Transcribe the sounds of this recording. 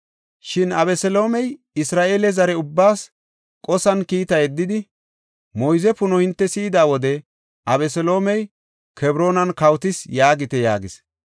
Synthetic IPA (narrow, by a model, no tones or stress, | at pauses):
ʃɪnɐbɛsɛlo̞ːmɛj | ɪsɾaːʔeːlɛzɐɾɛʊbːaːs | kʼɔsɐnkiːt̪ɐjɛd̪ːɪd̪ɪ | mɔjzɛpʊnɔhɪnt̪ːɛsiːd̪aːwɔd̪ɛ | ʔɐβɛsɛlo̞ːmɛj | kɛbɾo̞ːnɐnkɐwt̪ɪsjaːɡɪt̪ɛja̰ːɡɪs